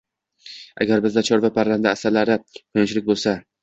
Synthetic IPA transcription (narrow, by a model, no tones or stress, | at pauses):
ʔa̰ɡʲaɾbɪzd̪at͡ʃʰɒɾvapʰaɾland̪aːsalaɾɪkʰɵnɪʃlɪk̚ʲbolˠsa